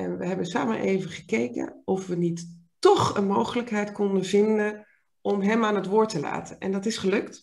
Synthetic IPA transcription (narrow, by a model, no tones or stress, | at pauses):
ɛ̰nʋəɦɛbənsa̰ːmə̰nʔḛjvəχəkejkə̰ɔfʋənit | ɔχənmowχələkɦɛjtkɔndəvɪndən | ɔmɦɛmaːnɦətʋʊːɹtəla̰ːtənɛ̰ndɑtɪsχəlɵkt